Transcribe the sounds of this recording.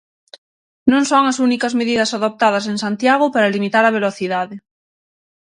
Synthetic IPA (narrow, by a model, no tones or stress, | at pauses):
nõŋsoŋasunikazmeðiðasaðop̚t̪að̞asensant̪jaɣ̞opaɾalimit̪aɾaβ̞eloθiðaðe